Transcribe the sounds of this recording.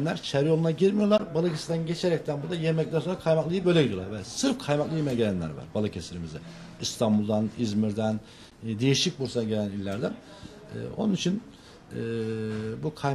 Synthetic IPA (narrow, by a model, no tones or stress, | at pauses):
nlʲæɾt͡ʃʰeɾijolˠunaɟiɾmijo̞lˠaɾbalˠɯcʰesiɾd̪ænɟet͡ʃʰeɾɛc̚t̪ʰænbuɾd̪ajemɛc̚t̪ænso̞nɾakʰajmaklˠɯjɯbølʲɛɟiɾijolˠaɾvɛsɯɾfkʰajmaklˠɯjemejɟelʲænlʲæ̰ɾva̰ɾbalˠɯcʰesiɾimizɛ̰ | ist̪ʰanbulˠd̪anizmiɾd̪æn | d̪e̞jiʃic̚buɾsaaɟe̞lʲænilʲːæɾd̪æn̰ː | o̞̰nunit͡ʃʰinː | bukʰa